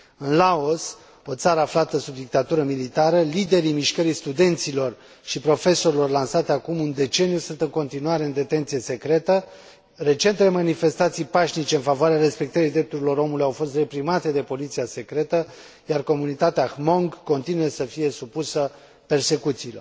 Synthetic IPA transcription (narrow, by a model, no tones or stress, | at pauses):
ɨnlao̞s | o̞t̪saɾəaflat̪əsub̚d̪ik̚t̪at̪uɾəmilit̪aɾəlid̪e̞ɾimiʃkəɾijst̪ud̪e̞nt̪silo̞r | ʃipɾo̞fe̞so̞ɾilo̞rlansat̪eakumɨnd̪e̞t͡ʃe̞niusunt̪ɨŋko̞nt̪inuaɾe̞ɨnd̪e̞t̪e̞nt̪sije̞se̞kɾe̞t̪ə | re̞t͡ʃe̞nt̪ele̞manife̞st̪at̪sijpaʃnit͡ʃe̞ɨnfavoaɾeaɾe̞spe̞k̚t̪əɾid̪ɾe̞p̚t̪uɾilo̞ɾo̞mulujawfo̞st̪re̞pɾimat̪e̞d̪e̞po̞lit̪siase̞kɾe̞t̪ə | jarko̞munit̪at̪eaxmo̞ŋɡkːo̞nt̪inujesəfije̞supusə | pe̞rse̞kut̪siːlə̰